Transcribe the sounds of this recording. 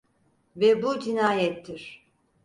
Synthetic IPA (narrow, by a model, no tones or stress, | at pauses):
vɛbud͡ʒinaːjɛt̪ʰːiɾ̥